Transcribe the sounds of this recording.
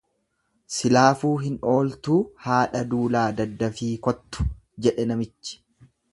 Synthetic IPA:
sɪlaːfuːɦɪno̞ːlt̪uːhaːᶑɐd̪uːlaːd̪ɐd̪ːɐfiːkɔt̪ːʊ̥ | d͡ʒɛᶑɛnɐmɪt͡ʃːɪ̥

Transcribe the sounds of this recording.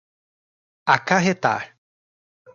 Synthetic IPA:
akaɦet̪a̰ɾ

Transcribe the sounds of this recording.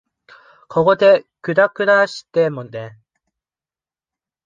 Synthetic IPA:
kʰoɡod̪ekɯ̟d̪akɯ̟ɾaɕi̥t̪emõnd̪e

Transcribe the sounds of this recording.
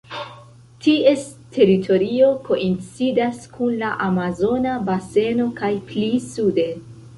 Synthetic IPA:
tiestʰe̞ɾitʰo̞ɾio̞kʰo̞ʔint͡sidaskʰunlaʔamazo̞nabase̞no̞kajplisude̞

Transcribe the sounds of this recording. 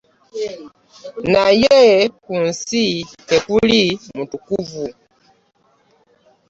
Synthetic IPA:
najɛkun̩sitɛkulimutukuvu

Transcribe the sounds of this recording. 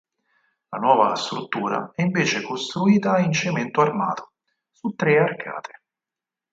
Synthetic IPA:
lanwɔːva̰st̪ɾut̪ːuːɾa̰ɛiɱveːt͡ʃekost̪ɾuiːt̪aint͡ʃement̪oarma̰ːt̪o̥ | sut̪ːɾearkʰa̰ːt̪ʰe̥

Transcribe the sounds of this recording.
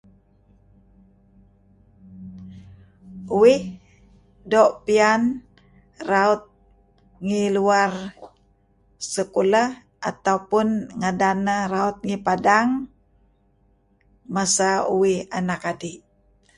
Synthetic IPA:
uwɪh | doʔpian | raut̪̚ | ŋiluar | səkuləh | ʔat̪auwpunŋadanəraut̪̚ŋipadaŋ | masauwihanakadiʔ

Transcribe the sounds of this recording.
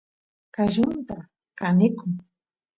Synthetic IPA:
kaʒʊnt̪a | kanɪkʊŋ

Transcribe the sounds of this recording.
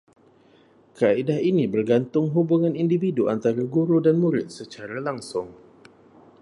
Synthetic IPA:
kəaidaɦinibərɡant̪ʊŋɦubuŋanindividuant̪aɾaɡuɾudanmuɾɪt̪̚sət͡ʃaɾalaŋsʊŋ

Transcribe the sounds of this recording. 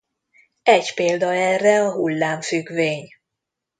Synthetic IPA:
ɛɟpeːld̪ɒɛrːɛɒɦulːaːɱfyɡveːɲ

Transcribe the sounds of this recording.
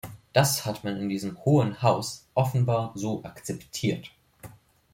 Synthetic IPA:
d̥ashatmanɪndiːzəmhoːənhaʊsʔɔfn̩baːɐzoːʔakt͡sɛptʰiːɐt

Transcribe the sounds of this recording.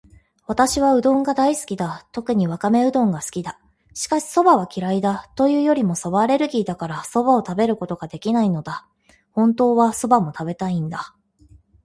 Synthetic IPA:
βat̪aɕiβaɯ̟d̪õ̞ŋɡad̪aisɨ̥kʲid̪at̪o̞kɯ̟ɲ̟iβ̞akame̞ɯ̟d̪õ̞ŋɡasɨ̥kʲid̪a | ɕi̥kaɕi̥so̞baβ̞akʲiɾaid̪at̪o̞jɯ̟ːjo̞ɾʲimo̞so̞baɾe̞ɾɯ̟ɡʲiːd̪akaɾaso̞bao̞t̪abe̞ɾɯ̟ko̞t̪o̞ɡad̪e̞kʲinaino̞d̪a | hõ̞nt̪o̞ːβaso̞bamo̞t̪abe̞t̪aĩnd̪a

